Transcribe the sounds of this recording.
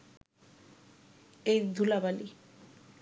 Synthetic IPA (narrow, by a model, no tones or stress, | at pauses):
ejd̪ʱulabali